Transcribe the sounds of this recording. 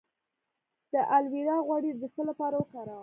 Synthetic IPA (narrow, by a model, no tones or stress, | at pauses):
d̪̥əʔalwiɾɑɣwɑɽid̪əxəlapɑɾawəkɑɾɑw